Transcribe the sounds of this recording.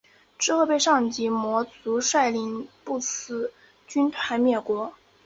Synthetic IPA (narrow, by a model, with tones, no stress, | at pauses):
ʈ͡ʂɻ̩˥˧xɤ˥˧pe˥˧ɪʂɑ˥˩ŋt͡ɕi˧˥mwɔ˧˥t͡su˧˥ʂwa˥˩ɪli˧˥npu˥˩t͡sʰɹ̩˥ | t͡ɕy˥nt̪ʰwa˧˥ɪmjɛ˥˩kwɔ˧˥